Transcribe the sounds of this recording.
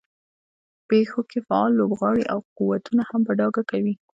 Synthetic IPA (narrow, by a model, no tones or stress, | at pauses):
pexokefaɑlːobɣɑɽiʔawquwat̪unahambaɖɑɡakawi